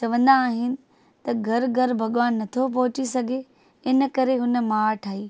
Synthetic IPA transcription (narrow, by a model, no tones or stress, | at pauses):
t͡ʃɐʋɐ̃nd̪aːɦɪnɪ̆ | t̪ɐɡʱɐɾɡʱɐɾbʱɐɠʋaːnːɐt̪ʰop̬ɐɦʊt͡ɕisɐɡʱe | ɪnkɐɾeɦʊnəmaːɾʈʰaːɦiː